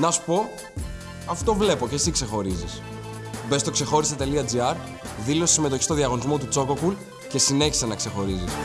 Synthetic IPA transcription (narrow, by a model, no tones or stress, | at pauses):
nɐsu̥po̞ | ɐft̪o̞vle̞po̞ce̞sikse̞xo̞ɾizis | be̞st̪o̞kse̞xo̞ɾiset̪e̞liɐd͡ziɐɾ | ðilo̞st̪sime̞t̪oçist̪o̞ðiɐɣo̞nizmo̞t̪ut͡so̞ko̞kul | ce̞sine̞çi̥senɐkse̞xo̞ɾizis